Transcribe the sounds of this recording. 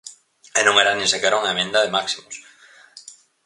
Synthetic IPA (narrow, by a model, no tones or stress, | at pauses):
enõŋeɾanĩsekeɾauŋaemẽnd̪aðemaksimos